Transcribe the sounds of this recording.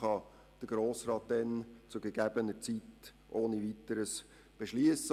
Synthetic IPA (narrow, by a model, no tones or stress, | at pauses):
χɑ | d̥əɡ̥ɾoːsɾɑːt̚dɛnt͡sʊɡəɡ̥æbənət͡sit | ʔoːnivitəɾəs | b̥eʃliəsə